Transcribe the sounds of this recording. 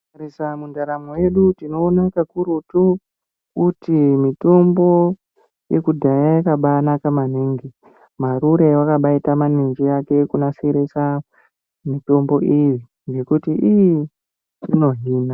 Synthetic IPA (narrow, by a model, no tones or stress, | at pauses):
ɾisamundaɾamowe̞ɗutino̞ːnakakuɾutu | kutimito̞mbo̞ | je̞kudʱajajakaɓanakamaneːŋɡi | maɾuɾe̞wakaɓaitamanend͡ʒejake̞kunaseɾesa | mito̞mbo̞ʔiji | ŋɡe̞kutiiji | rino̞ɦiːna